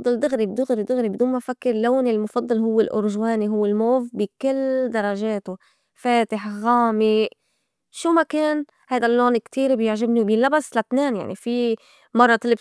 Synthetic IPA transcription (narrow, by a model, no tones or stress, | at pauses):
d̪ˤːɑld̪ʊɣɾibd̪ʊɣɾid̪ʊɣɾibɪd̪uːnmafakːɪɾloːnɪlmʊfɑd̪ˤːɑlɦʊwːɪlʔʊ̰ɾʒweːniɦʊwːɪlmoːvbikɪld̪ɑɾˤːɑʒeːt̪ʊ | feːt̪ɪħɣaːmi | ʃuːmakeːn | hajd̪alːoːnkt̪iːɾbjɪʕʒɪbniwbɪlːabasːlat̪neːnja̰ʕnifi | mɑrˤːɑt̪ɪlɪb